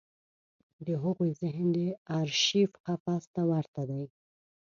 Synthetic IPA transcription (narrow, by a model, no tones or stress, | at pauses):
d̪əɦʊɣujzɪɦnd̪eaɾʃifqafast̪awaɾt̪ad̪aj